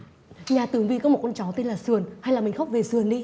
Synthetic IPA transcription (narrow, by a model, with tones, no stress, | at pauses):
ɲaː˨˩t̪ɨ˨˩əŋvi˧kɔ˨˦m˨˩t̚kɔ˧nt͡ɕɔ˨˦t̪e˧nlaː˨˩sɨ˨˩ənha˧jlaː˨˩mi˨˩ŋxa˦˥k͡p̚ve˨˩sɨ˨˩ənɗi˧